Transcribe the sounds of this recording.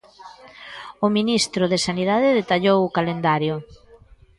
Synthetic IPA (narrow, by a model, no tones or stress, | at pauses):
ʊminist̪ɾʊðesaniðaðɪðet̪aʎowʊkalend̪aɾjʊ